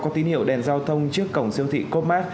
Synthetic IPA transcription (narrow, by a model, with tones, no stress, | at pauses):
kɔ˨˦t̪i˨˦nhḭ˧˨əwɗɛ˨˩nzaː˧wt̪ʰə˧wŋ͡mt͡ɕɨ˦˥əkːə˨˧˩wŋ͡msi˧əwt̪ʰḭ˧˨ko˦˥p̚maː˦˥t̚